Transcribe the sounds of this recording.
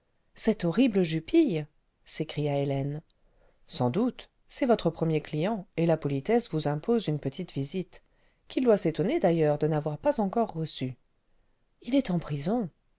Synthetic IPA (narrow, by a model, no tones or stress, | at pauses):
sɛt̪ɔʁibləʒypij | sekχijaelɛn | sɑ̃d̪ut̪ | sɛvɔt̪χəpχəmjeklijɑ̃elapɔlit̪ɛsvuzɛ̃pozynpət̪ʰit̪vizit̪ | kʲild̪waset̪ɔned̪ajœʁd̪ənavwaʁpazɑ̃kɔʁːəsy | ilɛt̪ɑ̃pχizɔ̃